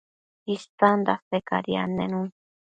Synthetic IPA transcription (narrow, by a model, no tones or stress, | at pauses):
ist̪and̪aseka̰ɾia̰nenun